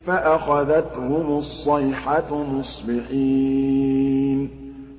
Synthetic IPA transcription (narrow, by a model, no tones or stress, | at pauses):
faʔaxaðat̪hʊmɑsˤːɑjħamʊsˤbɪħiː | n